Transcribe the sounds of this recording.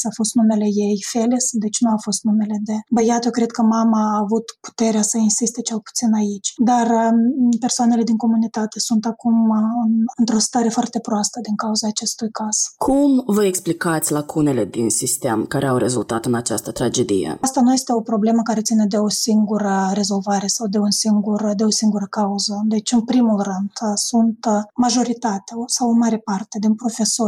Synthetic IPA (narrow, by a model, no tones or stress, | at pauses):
safo̞st̪nume̞le̞jejfelesd̪et͡ʃʲnuafo̞st̪nume̞le̞d̪e̞bəjat̪əkɾe̞d̪̚kəmamaːvut̪pu̥t̪e̞ɾeasəinsist̪e̞t͡ʃe̞lˠpu̥t̪sinait͡ʃʲd̪arpersoane̞le̞d̪iŋko̞munit̪at̪e̞sunt̪akumɨnɨnt̪ɾo̞st̪aɾe̞foart̪e̞pɾoast̪əd̪iŋkauzaːt͡ʃe̞st̪ujkaz̥kʰumvəeksplikat̪sʲlakʰune̞le̞d̪insist̪e̞mkaɾe̞awɾe̞zult̪at̪ɨnat͡ʃast̪ət̪ɾad͡ʒe̞d̪ḭjḛast̪anuje̞st̪e̞o̞pɾo̞ble̞məkaɾe̞t̪sine̞d̪e̞o̞siŋɡuɾəɾe̞zo̞lvaɾe̞sawd̪e̞unsiŋɡuɾəd̪e̞o̞siŋɡuɾəkauzəd̪e̞t͡ʃʲɨnpɾimulrɨnd̪sunt̪maʒo̞ɾit̪at̪eaosawomaɾe̞part̪e̞d̪eunpɾo̞fe̞so̞r